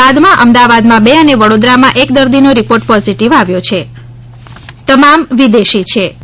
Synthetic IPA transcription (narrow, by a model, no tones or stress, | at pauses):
ad̪mãʔəmd̪aʋad̪mãbeəneʋəɽod̪ɾamãʔekd̪əɾd̪inoɾipoɾʈpɔziʈiʋaʋjot͡ʃʰe | t̪əmamʋid̪eʃit͡ʃʰe